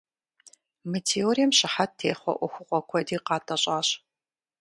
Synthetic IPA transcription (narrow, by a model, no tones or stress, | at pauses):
mitʰeoɾijɛmɕɪħattʰeːχʷɔ̰ʔʷɔxʷʊqʷʼɔkʷʰɔdiːqɑːtʼɐɕʼaːɕ